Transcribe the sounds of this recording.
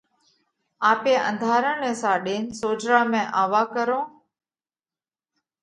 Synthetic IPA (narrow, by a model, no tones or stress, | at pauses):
aːpeːʔə̰̃nd̪ʱaːɾəɳeːsãːɗeːnsoːd͡ʒɾaːmẽːʔaːʋaːkəɾõː